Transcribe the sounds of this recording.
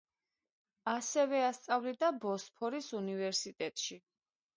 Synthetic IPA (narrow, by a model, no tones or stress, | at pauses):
asɛvɛast̪sʼavlid̪abɔspʰɔɾisunivɛɾsit̪ʼɛt̪ʼʃi